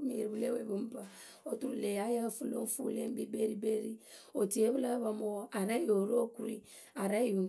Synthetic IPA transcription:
mi˨ɾbu˦le˦we˨bu˨˦m̩˦ba˨ | o˨tu˨ɾu˨le˨a˨˦ja˦˨fu˦lo̰˦fṵ˦le˦m̩˦bi˦be˦ɾi˦be˦ɾi˦o˨ti˨˦e˦βla˦βa˨mo˦a˨ɾa˦jo˨ɾo˦ku˦ɾḭ˦ | a˨ɾa˦˨ju˨˦

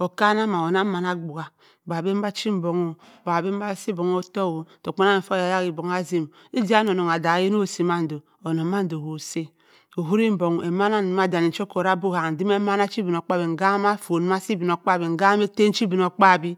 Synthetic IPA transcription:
o˨ka˦na˦ma˨o˨na˦ma˨na˨ɡ͡bu˨ɡa˨ | ba˨bi˦ba˦t͡ʃi˦m̩˦bo˨ŋo˦ | ba˨bi˦m̩˦ba˦si˦bo˨ŋo˦to˦˨wo˨to˨k͡po˦na˦˨fo˦a˨ja˦ki˨bo˨ŋ˦a˦zi˦m˨ | i˦di˦a˦n˨o˨no˨ŋ˨a˨da˨ji˦n˦o˦˨si˨ma˦n̩˨do˨ | o˨no˨˦ma˦n̩˦do˨ho˨se˦ | o˨ɦu˦ɾi˦m̩˦bo˨ŋ˨e˨ma˦na˦n˨ma˦da˨ni˨t͡ʃo˦ko˨ɾa˦bo˦ɣa˨n̩˨di˦m˦e˦ma˦na˦t͡ʃi˦bi˨no˨k͡pa˦bi˨ŋ̩˨ɡa˦ma˦fo˨n˦ma˦si˦bi˨n˨o˨k͡pa˦˨bi˨ŋ̩˨ɡa˦me˦te˦n̩˦t͡ʃi˦bi˨n˨o˨k͡pa˦˨bi˦

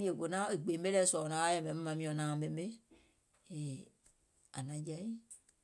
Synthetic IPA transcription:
mĩ˦e˨ko˨nã˦e˨ɡ͡be˨mbe˦lɛ˦sɔ˨nã˨˦a˦jɛ˨mɛ̃˨˦m̩˦mã˨mĩ˦ɔ̃˨nãː˨be˨m˦be˦ | e˨ | a̰˨nã˨˦d͡ʒɛ˦i˦

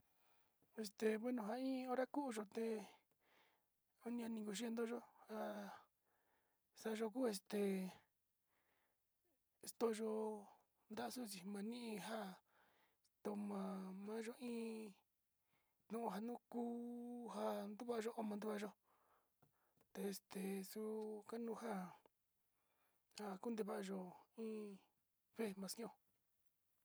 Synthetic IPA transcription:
e˧st̪e˨βe˦nũ˧ɦa˧ĩ˦o˦˧ɾa˦ku˦˧ʒo˧t̪e˧ | o˦nĩ˧ã˧nĩ˧ŋko˧ʃ̬i˦e˧nd̪o˦ʒo˦ha˧ | sa˧ʒo˧k̬u˦e˧st̪e˨˧ | st̪o˧ʒo˧ | nd̪a˦˧su˦˨t͡ʃi˨mã˧nĩ˦ʔĩ˧ɦa˦ | t̪o˧mã˧mã˦ʒo˦ʔĩː˦ | t̪nũ˦˨˧ɦa˧nũ˦kuː˦ha˧nd̪u˦βa˦˧ʒo˦ʔo˧mã˧nd̪u˦βa˧ʒo˦ | t̪e˧e˧st̪e˨su˧ka˦nũ˦ha˦ | ha˧ku˦nd̪e˧βa˧˨a˧ʒo˧ĩː˦ | fe˦mã˧si˦õ˦˨

